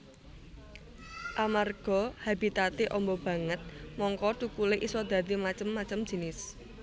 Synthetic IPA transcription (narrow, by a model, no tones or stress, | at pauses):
ʔamarɡ̥ɔ̤habi̤t̪at̪eʔɔmbɔb̥ä̤ŋət̪̚mɔŋkɔt̪ukuleʔisɔd̪̥ä̤d̪imat͡ʃəmːat͡ʃəmd͡ʒi̤nɪs